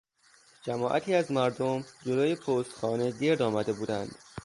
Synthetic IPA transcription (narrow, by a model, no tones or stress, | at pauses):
d͡ʒæmɒːʔæt̪ʰiːæzmæɾd̪omd͡ʒoloːjepʰoːst̪xɒːne̞d̪eːɾd̪ɒːmæd̪e̞buːd̪ænd̪̥